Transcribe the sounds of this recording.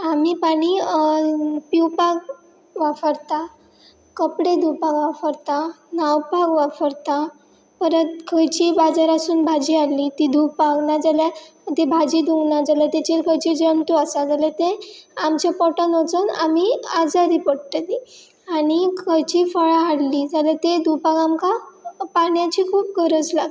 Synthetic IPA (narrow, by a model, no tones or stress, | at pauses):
amiːpaɽ̃i | piwpaɡ | ʋafəɾt̪a | kəpɽed̪ʱupakʋafəɾt̪a | nawpaɡʋafəɾt̪a | pəɾət̪kʰəjt͡ɕibad͡zaɾasuːnbʱad͡ʑialːit̪id̪ʱupaɡnad͡zaljat̪ebʱad͡ʑiːd̪ʱuŋɡnad͡zalat̪et͡ɕeɾkʰəjt͡ɕid͡ʑəɳt̪uasad͡zalat̪eamt͡ɕapɔʈənot͡səna̰miad͡zaɾipəɽʈ̪əd̪i | aɽ̃ikʰəjt͡ɕiːfəɭaaɽliːd͡zalat̪ed̪ʱupaɡamkapaɽjãt͡ɕikʰuːp̚ɡʱəɾət͡slaɡ̪